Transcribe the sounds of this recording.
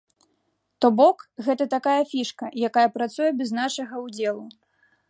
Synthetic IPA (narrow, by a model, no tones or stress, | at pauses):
t̪ɔbɔkɣɛt̪ɐt̪akajɐfʲiʂkɐjakajɐpɾat̪sujɛbʲɛznaʂɐɣɐwd͡zʲɛlˠu